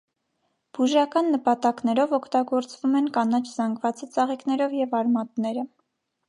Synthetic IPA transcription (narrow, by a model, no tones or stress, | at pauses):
b̥uʒɑkɑnːəpɑt̪ɑknɛɾɔvɔkʰt̪ɑɡɔɾt͡svumɛnkɑnɑt͡ʃʰz̥ɑŋɡvɑt͡sət͡sɑʁiknɛɾɔvjɛvɑɾmɑt̪nɛɾə